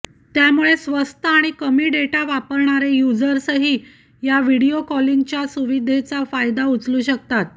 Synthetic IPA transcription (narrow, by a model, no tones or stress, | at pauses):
t̪jamuɭesʋəst̪əaɽ̃ikəmiːɖeʈaʋapəɾɳaɾejud͡zəɾsəɦiː | jaʋiɽiokɔliŋɡt͡ɕjasuʋid̪ʱet͡safajd̪aut͡sluːɕəkt̪at̪̚